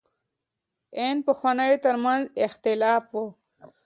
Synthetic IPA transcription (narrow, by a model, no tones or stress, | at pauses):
enpəxwanajt̪əɾmanzɪxt̪ɪlɑːfwo